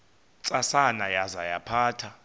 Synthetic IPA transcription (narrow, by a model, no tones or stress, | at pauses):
t͡sʼasanajazajapʰaːtʰa